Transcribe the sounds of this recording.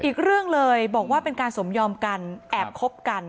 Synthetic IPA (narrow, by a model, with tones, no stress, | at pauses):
ʔiː˨˩k̚ɾɯ˥˩əŋlɤː˧jbɔː˨˩k̚waː˥˩pe˧nkaː˧nso˩˦mjɔː˧mka˧nʔɛː˨˩p̚kʰo˦˥p̚ka˧n